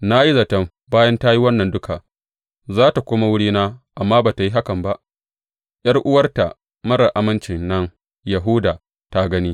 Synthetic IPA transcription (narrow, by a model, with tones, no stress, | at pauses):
na˦ji˦zɐ˨tɐ˦m | baː˦jɐ˦nta˦ji˦wɐ˦nːɐ˨ndʊ˦ka˨ | zaː˦ta˨kʷʊ˦ma˦wʊ˦ɽiː˦naː˦ʔa˨mːaː˦baː˨ta˨ji˦ɦa˦kɐ˨mba˦ʔ | j̰ɐ˦rʔʊ˦wɐ˦rta˨ | mɐ˦ɽɐ˨ʔa˦mɐ˦nt͡ʃɪ˨nːɐ˦ŋ | ja˨ɦuː˦daː˨ | ta˦ɡɐ˦niː˦